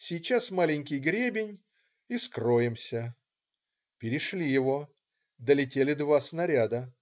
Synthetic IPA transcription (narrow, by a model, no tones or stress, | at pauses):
sʲɪjt͡ɕasmalʲɪnʲkʲɪjɡɾʲebʲɪnʲ | ɪskrojɪmsʲə | pʲɪɾʲɪʂlʲijɪvo̞ | d̪əlʲɪtʲelʲɪd̪vasnɐɾʲad̪ə